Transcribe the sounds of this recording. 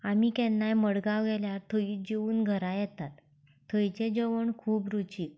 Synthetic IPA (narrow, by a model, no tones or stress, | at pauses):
amikɛ̃nːajməɽɡaʋɡɛljaɾt̪ʰəiːd͡ʑeuːnɡʱəɾajɛt̪at̪ | t̪ʰːəjt͡ɕẽd͡ʑəʋəɳkʰuːbɾut͡ɕiːk